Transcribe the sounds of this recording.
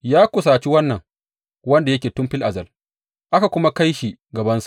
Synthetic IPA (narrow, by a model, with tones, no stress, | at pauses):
jaː˦kʷʊ˨s̬aː˨t͡ʃi˦wɐ˦nːɐ˨ŋ | wɐ˦nda˨jɐ˦kʲeː˨tʊ˦mɸɪ˦lʔa˨zɐ˨l | ʔa˦ka˨kʷʊ˦ma˦ka˦jʃi˨ | ɡɐ˨bɐ˦nsḁ˨ʔ